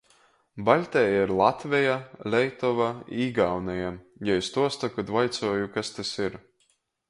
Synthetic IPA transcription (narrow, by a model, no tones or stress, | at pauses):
balʲt̪ʲɛjaiɾlˠat̪vʲɛjalʲɛjt̪ɔvaiːɡawnɛjajajst̪uɔst̪akad̪vajt̪sɔɔjukast̪asiɾ